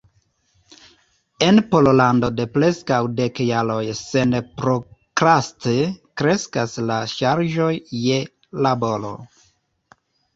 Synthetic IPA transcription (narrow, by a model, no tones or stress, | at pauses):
e̞npololando̞de̞pɾe̞skawde̞kjalo̞jse̞npɾokɾastekɾe̞skaslaʃaɾʒo̞jːe | labo̞lo̞̰